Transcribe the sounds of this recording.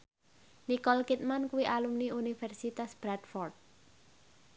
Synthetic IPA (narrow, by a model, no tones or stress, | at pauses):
nikɔlkit̪̚mankuwiʔalumniunifɛrsit̪asb̥ɾadfɔrd̪̚